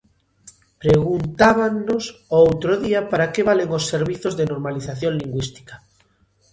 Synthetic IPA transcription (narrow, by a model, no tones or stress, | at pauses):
pɾeɣunt̪aβaŋnosowt̪ɾoðiapaɾakeβaleŋosːeɾβiθozðenoɾmaliθaθjõnliŋɡwist̪i̥kḁ